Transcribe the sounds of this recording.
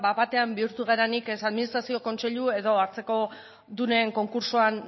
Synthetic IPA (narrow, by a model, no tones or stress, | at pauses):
baβat̪e̞ambiuɾt̪uɣeɾanikesaðminist̪ɾasio̞ko̞nse̞ʎue̞ðo̞aɾt͡se̞ko̞ | d̪une̞ŋko̞ŋkuɾsoan